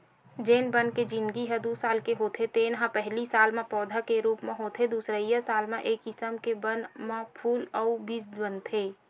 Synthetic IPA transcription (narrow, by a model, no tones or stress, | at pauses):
d͡ʒeːnbənked͡ʒɪ̃nɡiɦɛd̪uːsaːlkeɦoːt̪ʰet̪enɦãpɛɦlisaːlmẽpɔːd̪ʱakeɾuːpmẽɦoːt̪ʰed̪uːsɾəijəsaːlmẽʔeːkɪsəmkebənmãpʰuːlɔʊbiːsbənt̪ʰeː